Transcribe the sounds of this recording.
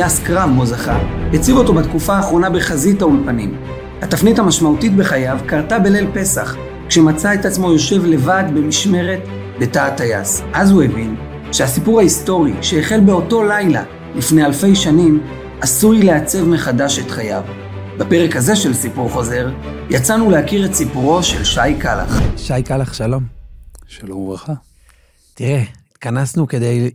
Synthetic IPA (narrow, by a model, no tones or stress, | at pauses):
jaskʁavmozaχahet͡sivo̞to̞bat̪kufaːχʁo̞nabe̞χazithaulpanḭm | hatofnithamaʃmautit̚be̞χajavkaʁtabele̞lpe̞saχ | kʃe̞mat͡sae̞tat͡smo̞jo̞ʃe̞vle̞vadbe̞miʃme̞ʁe̞t | be̞taːtaja̰sʔazhue̞vin | ʃehasipuʁhaisto̞ʁiʃeːχe̞lbe̞o̞to̞lajla̰ | lifne̞alfe̞jʃanim | asuʁileat͡se̞vme̞χadaʃe̞tχaja̰v | bape̞ʁe̞khaze̞ʃe̞lsipuʁχo̞ze̞ʁjat͡sanulehakiʁetsipuʁo̞ʃe̞lʃajkala̰χʃajkalaχʃalo̞mʃalomvʁaχa | t̪iʁeit̪kanasnuked̪ej